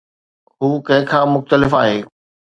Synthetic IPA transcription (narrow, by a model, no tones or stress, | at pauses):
ɦuːkɐ̃ɦɪ̃kʰãːmʊxt̪əlɪfaːɦeː